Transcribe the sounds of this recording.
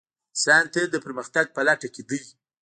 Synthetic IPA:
sant̪ed̪əpəɾməxt̪aɡ̚pəlaʈaked̪əj

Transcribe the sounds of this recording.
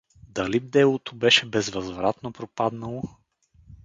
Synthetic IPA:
d̪ɐlib̚d̪ɛlˠot̪obɛʃɛbɛzvɐzvɾat̪nopɾopad̪nəlˠo

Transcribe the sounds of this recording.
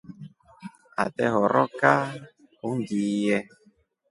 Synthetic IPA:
a̰tɛɦɔɾɔka | undijɛ

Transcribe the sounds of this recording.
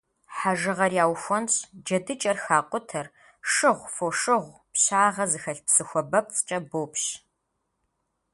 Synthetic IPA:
ħaʒɨʁɐrjaːwxʷɔnɕʼd͡ʒɐdɨt͡ʃʼɐrxaːqʷʊtʰɐr | ʂɨʁʷfoʂɨʁʷ | pɕaːʁɐzɨxɐɬpsɨxʷɔbɐp̚t͡sʼt͡ʃʼɐboːpɕ

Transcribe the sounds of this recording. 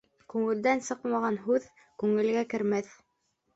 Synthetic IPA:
kʉŋɘ̆ld̪ænsɤqmɑʁɑnɦʉð | kʉŋɘ̆lɡækɘ̆ɾmæθ

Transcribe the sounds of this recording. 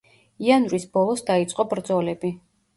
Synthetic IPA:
ianvɾisbɔlˠɔsd̪ait̪sʼqʼɔbɾd̪zɔlɛbi

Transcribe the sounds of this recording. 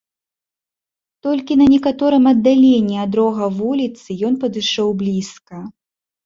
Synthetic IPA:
t̪ɔlʲkʲinɐnʲɛkat̪ɔɾɨmɐd̪ːalʲenʲːiad̪ɾɔɣɐvulʲit̪sɨjɔnpɐd̪ɨʂɔwblʲiskɐ

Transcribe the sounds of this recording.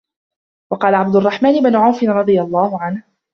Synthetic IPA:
wɑqɑːlaʕab̚d̪ʊɑrˤːɑħmaːnɪbnʊʕawfɪnɾˤɑd̪ˤɨjalˤːɑːhʊʕanh

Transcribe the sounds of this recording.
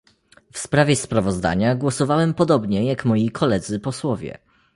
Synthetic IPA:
fspɾavʲjɛspɾavɔzd̪a̰ɲaɡwɔsɔvawɛmpɔd̪ɔbɲɛjakmɔjikʰɔlɛd̪zɘpɔswɔvʲɛ̰

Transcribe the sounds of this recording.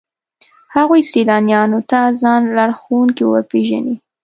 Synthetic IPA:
haɣujsilɑnjɑnot̪azɑnlaɽxowuŋkiwə̰peʒa̰ni

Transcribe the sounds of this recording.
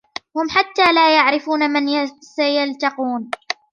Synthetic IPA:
hʊmħat̪ːaːlaːjaʕɾɪfuːnamansajalt̪ɑquːn

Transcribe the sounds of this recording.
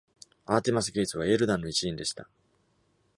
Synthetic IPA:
aːt̪e̞mas̬ɨɡʲe̞ːsɨβae̞ɾɯ̟d̪ãnːo̞it͡ɕiĩnd̪e̞ɕi̥t̪a

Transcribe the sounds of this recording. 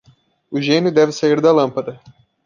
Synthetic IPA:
ʊʒẽnjʊd̪ɛvɪsaiɾd̪ɐlɐ̃mpɐd̪ɐ

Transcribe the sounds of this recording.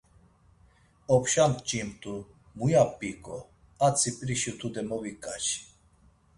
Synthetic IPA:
ɔpʰʃampʼt͡ʃʼimt̪ʼu | mujapʼːikʼɔ | at͡sʰipʼɾiʃut̪ʰud̪ɛmɔwikʼaʃi̥

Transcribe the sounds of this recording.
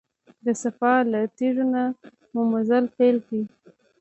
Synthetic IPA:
d̪əsafɑlat̪iʐona | mʊmʊzalpelki

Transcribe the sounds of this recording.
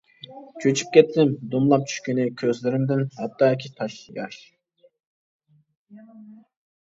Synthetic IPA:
t͡ʃʰøt͡ʃʰy̥p̚kʲɛt̪ʰːɪmd̪umlˠɑp̚t͡ʃʰy̥ʃkʲynɪkʲʰøzlyɾɪmd̪ɪnhɑt̪ːɑːikʲʰit̪ʰɑʃˠjɑʃ

